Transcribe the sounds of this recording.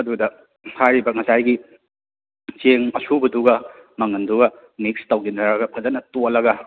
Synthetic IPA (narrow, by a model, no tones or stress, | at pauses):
ɐdudɐ | hajɾibɐŋɐsajɡi | t͡ʃeŋɐsubɐduɡɐmɐŋɐnduɡɐ | nik̚stɐwɡinɐɾɐɡɐpʰɐzɐnɐtolɐɡɐ